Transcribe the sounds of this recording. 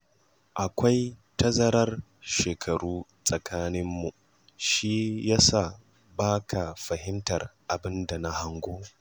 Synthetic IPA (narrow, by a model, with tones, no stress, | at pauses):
ʔa˨kʷa˦jtɐ˦zɐ˦ɾɐ˦r | ʃeː˨kʰɐ˨ɾuː˦sʼɐ˨kʰaː˦nɪ˦mːu˨ | ʃi˦ja˦saː˨ | baː˦kʰa˨ɸɐ˨ɦɪ˦ntɐ˨rʔa˨bɪ˦nda˨na˦ha˦ŋɡʷoː˦